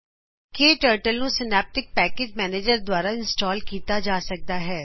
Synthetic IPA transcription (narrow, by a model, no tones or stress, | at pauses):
keːʈəːɾʈəlnusɪnɛːp̚ʈɪk̚pɛːkeːd͡ʒmɛːneːd͡ʒəɾd̪waːɾaɪ̃nsʈɔːlkiːt̪ad͡ʒaːsɐk̚d̪aɦɛː